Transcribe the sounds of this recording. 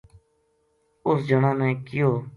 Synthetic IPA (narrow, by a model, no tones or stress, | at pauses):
ʊsd͡ʒəɳãːnɛkɪjoː